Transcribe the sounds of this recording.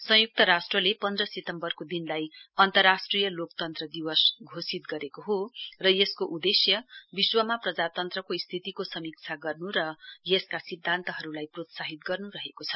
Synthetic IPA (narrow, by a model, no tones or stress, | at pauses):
sʌ̃juk̚t̪ʌɾasʈrʌlepʌnd̪rʌset̪ʌmbʌrkod̪inlajʌnt̪ʌrːasʈrijʌlokt̪ʌnt̪rʌd̪iwʌsɡʱosit̪ɡʌɾekoɦorʌjeskoʔud̪esjʌbiswʌmaprʌd͡zat̪ʌnt̪rʌkoist̪ʰit̪ikosʌmik̚t͡sʰaɡʌrnuɾʌjeskasid̪ʱːant̪ʌɦʌɾulajprot̪saɦit̪ɡʌrnuɾʌɦekot͡sʰʌ̥